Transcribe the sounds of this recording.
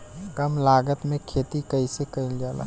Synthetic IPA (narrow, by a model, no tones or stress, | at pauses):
kəmlaːɡət̪mẽkʰeːt̪ikəisekəɪld͡ʒaːla̰